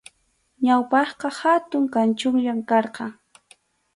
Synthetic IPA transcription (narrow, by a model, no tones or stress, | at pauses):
ɲawpɑχqɑhat̪ʊŋkant͡ʃʊŋʎamkɑɾqɑŋ